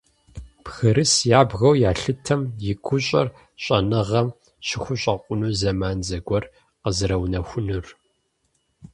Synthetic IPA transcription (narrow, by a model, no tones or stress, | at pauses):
pxɐɾɨsjaːbɣɐwjaːɬɨtʰɐmjɪkʷʰʊɕʼɐ̰r | ɕʼɐnɨʁɐm | ɕɪxʷʊɕʼɐqʷʼʊnuːzɐmaːnzɐɡʷɔr | qəzɨɾɐwnɐxʷʊnɨr